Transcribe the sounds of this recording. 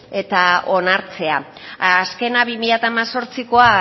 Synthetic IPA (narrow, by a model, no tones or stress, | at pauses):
e̞t̪ao̞naɾt͡se̞aː | ske̞naβimiʎat̪aːmaso̞ɾt͡siko̞a